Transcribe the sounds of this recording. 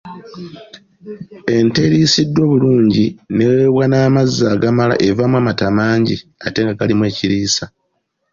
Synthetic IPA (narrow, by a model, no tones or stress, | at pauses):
e̞nte̞ɾiːsidːo̞ːβuluːɲɟineweβwanaːmazːaːɡamala̰ʔe̞vamwaːmatamaːɲɟiate̞ːŋɡaɡalimwe̞ːciɾiːsa